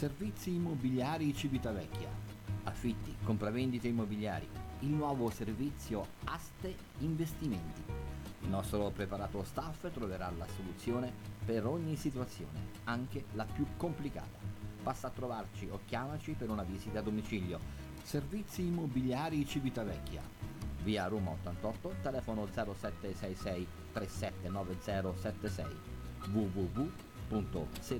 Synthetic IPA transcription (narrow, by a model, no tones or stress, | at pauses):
servit̪sːiːmːobiljaːɾit͡ʃivit̪avɛkʰːja̰ | afːit̪ːikompɾavɛnd̪it̪eimːobilja̰ːɾḭilnwɔːvoservit̪sːjoast̪e | iɱvest̪imɛnt̪iilnɔst̪ɾopɾepaɾaːt̪ost̪afːt̪ɾoveɾala̰solut̪sːjoːnepeɾoɲːisit̪uat̪sːjo̰ːnḛ | aŋk̟elapjukːomplika̰ːt̪ḁpasːat̪ːɾovart͡ʃiokːjaːmat͡ʃipeɾunavizit̪aːd̪omit͡ʃiljo | servit̪sːiːmːobiljaːɾit͡ʃivit̪avɛkːja̰viːaɾuːmao̰t̪ːant̪ɔt̪ːot̪elɛːfonod̪zɛːɾosɛt̪ːesɛjsɛj | t̪ɾesɛt̪ːenɔːved̪zɛːɾosɛt̪ːesɛ̰jvuvuvu | punt̪ose